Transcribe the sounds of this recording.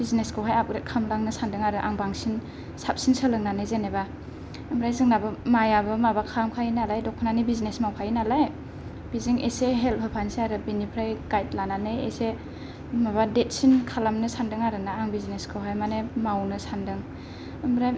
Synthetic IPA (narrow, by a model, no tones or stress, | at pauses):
bizneskʰɯwɦajap̚ɾet̚kʰamlaŋnɯsandɯŋaɾɯʔaŋbaŋsin | sap̚sinsəlɯŋnanɯjzeneba | ɯmɾajzɯŋnabɯmajabɯmabakʰamkʰainalajdɔk̚pʰɔnanibiznesmawpʰajinalaj | b̥iziŋeseɦel̚hʰɯpʰansiaɾɯbinipʰɾajkajt̚lananɯjḛse | maβadet̚sinkʰalamnɯsandɯŋaɾɯŋnaːŋbizneskʰɯwɦajmanemawnɯsandɯŋ | ɯmɾaj